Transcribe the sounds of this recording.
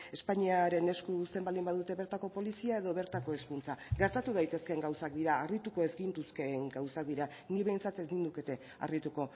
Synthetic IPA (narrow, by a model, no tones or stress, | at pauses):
e̞spaɲiaɾe̞ne̞skuse̞mbald̪imbaðut̪e̞βe̞ɾt̪ako̞po̞lisiae̞ð̞o̞βe̞ɾt̪ako̞e̞skunt͡saɡe̞ɾt̪at̪uð̞ajt̪e̞ske̞ŋɡawsak̚d̪iɾaːrit̪uko̞e̞zɡint̪uske̞ŋɡawsak̚d̪iɾa | niβe̞jnt͡sat̪ezɡind̪uke̞t̪e̞ | a̰rit̪uko̞